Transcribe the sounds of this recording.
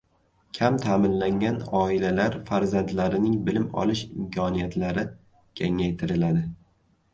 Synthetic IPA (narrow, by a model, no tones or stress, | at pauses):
kʲʰamt̪ʰaːmɪnlaŋʲanɒɪlalaɾfaɾzand̪laɾɪnɪŋbɪlɪmɒ̰lˠɪʃɪmkʲʰɒnijat̪laɾɪ | kʲʰaŋajt̪ʰɪɾɪlad̪ɪ